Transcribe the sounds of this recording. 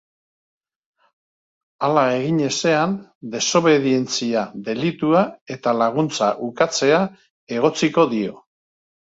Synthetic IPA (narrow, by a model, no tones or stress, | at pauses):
alaeɣiɲe̞se̞and̪e̞so̞βe̞ðie̞nt͡siaðe̞lit̪uae̞t̪alaɣ̞unt͡saʔukat͡se̞a | e̞ɣ̞o̞t͡siko̞ðio̞